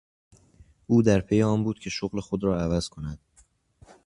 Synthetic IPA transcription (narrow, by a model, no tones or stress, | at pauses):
ʔuːd̪æɾpʰe̞jeɒːmbuːd̪̥cʰe̞ʃoɣle̞xod̪ɾɒːævæz̥kʰo̞næd̪̥